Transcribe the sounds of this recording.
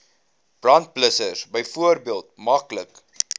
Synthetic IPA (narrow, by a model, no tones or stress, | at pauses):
b̥rɐnt̚pləsəsbəjfuərbiəlˠtmɐklək